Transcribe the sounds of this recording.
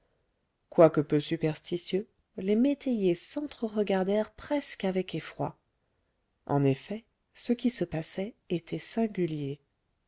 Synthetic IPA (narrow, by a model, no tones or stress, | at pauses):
kwakəpøsypɛʁst̪isjø | lemet̪ʰejesɑ̃t̪χəʁəɡaʁd̪ɛʁpχɛskavɛkefχwa | ɑ̰̃nefɛ | səkʲisəpasɛet̪ʰɛsɛ̃ɡʲylje